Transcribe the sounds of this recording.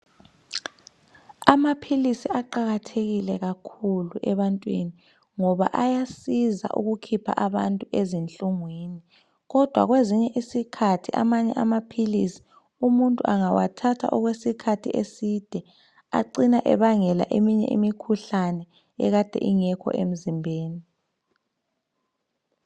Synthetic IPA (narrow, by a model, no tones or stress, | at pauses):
amapʰilisiaǃaɣatʰeɣilɛɣakʰuluʔɛβantʼwḭni | ŋɔβa̰ʔajasiza̰ʔṵɣukʰipʰa̰ʔaβa̰ntʼuʔezint͡ɬʼuŋweːni | ɣɔd̥ʱwa̰ɣweziɲɛʔisikʰatʰiʔa̰maɲɛ̰ʔamapʰilisi̥ | umuntʼuʔaŋawatʰatʰa̰ʔɔɣwesikʰatʰiʔesid̥ʱɛ | a̰ǀinaʔɛ̰βaŋɛla̰ʔemiɲɛ̰ʔḭmikʰuɬanɛ | ɛ̰ɣad̥ʱɛ̰ʔiŋɛkʰɔ̰ʔem̩zimbʱeːni